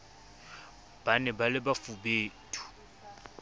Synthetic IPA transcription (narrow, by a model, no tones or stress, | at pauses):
b̥anɛbalɪbafubeːtʼu̥